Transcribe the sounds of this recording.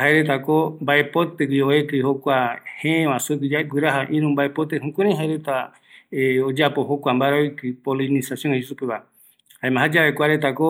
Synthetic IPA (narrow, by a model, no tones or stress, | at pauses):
haeɾet̪akombaepot̪eɡioekɨhokʷahẽẽβãsukid͡ʒaɡɨɾaɦaʔĩɾ̃ũmbaepot̪ehũkʷẽɾãjɦaeɾet̪a | od͡ʒapohokʷambaɾaojkɨpolinĩsasijoŋehsupeβa | haẽmãɦad͡ʒaβekʷaɾet̪ako